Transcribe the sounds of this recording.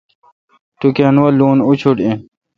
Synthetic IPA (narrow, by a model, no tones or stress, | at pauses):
t̪ukenwɐluːnut͡ɕʰuʈĩ